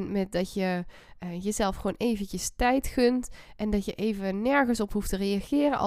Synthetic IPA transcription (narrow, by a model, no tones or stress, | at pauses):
nmɛt̚dɑtjə | jəzɛlˠfχʋoːwnʔejvəntəstɛjtkɵntʔɛndɑtjəʔejvənɛɹɣənsɔpɦuftərejɑɣɪːrənʔɑ̰